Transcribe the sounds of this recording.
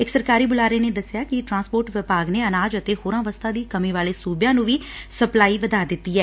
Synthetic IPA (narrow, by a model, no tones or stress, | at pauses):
ɪksəɾkaːɾiːbʊlaːɾeːneːd̪əsːɪjaːkɪʈɾãːnspoːɾʈʋɪpaːɡneːənaːd͡ʒət̪eːhoːɾãːʋəst̪ʰaːd̪iːkəmĩːʋaːleːsuːbjãːnũːʋiːsəplaːiːʋəd̪aːd̪ɪt̪ːiːɛː